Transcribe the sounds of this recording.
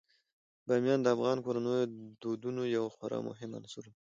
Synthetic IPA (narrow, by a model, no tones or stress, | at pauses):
bɑmijɑnd̪əafɣɑnkoɾanəjod̪od̪unojawxaɾɑ̰mʊ̰ɦɪma̰nsuɾ